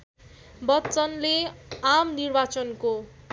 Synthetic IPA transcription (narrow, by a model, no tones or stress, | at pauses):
bʌtːt͡sʌnleamnirbat͡sʌnko